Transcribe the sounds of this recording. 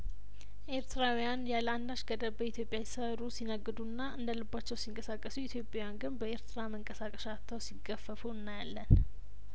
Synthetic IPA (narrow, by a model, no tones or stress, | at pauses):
ʔe̞ɾt̪ʰɨɾawijanjaland̪aʃɡəd̪əbəit̪ʰjo̞pʼjasəɾusinəɡɨd̪unːaʔɨnd̪əlɨbːat͡ʃːɛwsiŋkʼəsakʼːəsuit̪ʰjo̞pʼjawjanɡɨnbəe̞ɾt̪ʰɨɾaməŋkʼəsakʼəʃat̪ːəwsiɡəfːəfuɨnːajalːən